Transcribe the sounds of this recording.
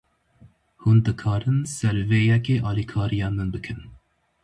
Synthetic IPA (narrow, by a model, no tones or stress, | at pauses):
hund̪ɨkʰɑːɾɨnsɛɾveːjɛkeːʔɑːlikʰɑːɾijɑːnmɨnbɨkʰɨn